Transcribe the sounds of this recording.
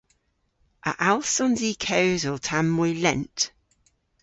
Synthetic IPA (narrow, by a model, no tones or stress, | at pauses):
ʔə̰ʔalˠsɔ̃nziːkʰəʊzɔtʰamːɔɪlɛ̰̃nt